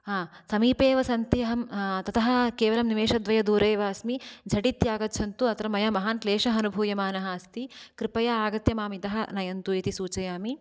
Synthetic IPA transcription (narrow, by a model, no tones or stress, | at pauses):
aːsɐmiːpeːʋɐsɐnt̪ijɐɦɐmt̪ɐt̪ʰɐɦɐ̆keːʋɐlɐmniʋeːʂɐd̪ʋɐjɐd̪uːɾeːʋaɐsmid͡ʒʱɐʈit̪jaːɡɐt̪ːt͡ʃʰɐnt̪uɐt̪ɾɐmɐjamɐɦaːnkleːʂɐɦɐnubʱuːjɐmaːnɐɦɐɐst̪ikɾipɐjɐaːɡɐt̪jɐmaːmit̪ɐɦɐnɐjɐnt̪uit̪isuːt͡ʃɐjaːmi